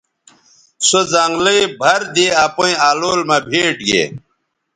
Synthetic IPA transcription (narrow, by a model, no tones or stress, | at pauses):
sozaŋɡliibʱɐɾd̪eapõĩaːloːlmabʱeːʈɡḛ